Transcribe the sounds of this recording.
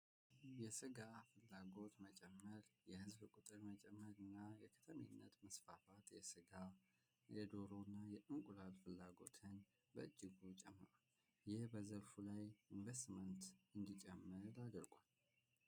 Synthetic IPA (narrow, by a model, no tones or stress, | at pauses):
jɛsɨɡafɨlːaɡo̞t̪mət͡ʃʼɛmːəɾjɛhɨzbkʼut̪ʼɨɾmət͡ʃʼɛmːəɾɨnːajɛkʰə̥t̪ʰəmḭnːət̪məsfafat̪jɛsɨɡa | jɛd̪o̞ɾonːajɛʔɨŋkʼulalfɨlːaɡo̞̰t̪ʰəɲ | bəɨd͡ʒːɪɡut͡ʃʼɛmːə̰ɾal | jɪhbəzəlfulajiɱvest̪mənt̪ɨnd̪it͡ʃʼɛmːəɾad̪əɾkʷʼal